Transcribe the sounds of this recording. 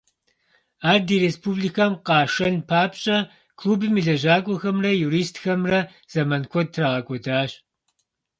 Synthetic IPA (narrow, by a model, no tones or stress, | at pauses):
aːrdiːɾespʰublikʰamqɑːʂɐnpʰaːpɕʼɐ | kʰluːbɨmɨɮɐʑaːkʷʼɔxɐmrɐjuːɾiːstxɐmrɐ | z̥ɐmɐnkʷʰɔd̚tʰraːʁɐkʷʼɔdaːɕʼ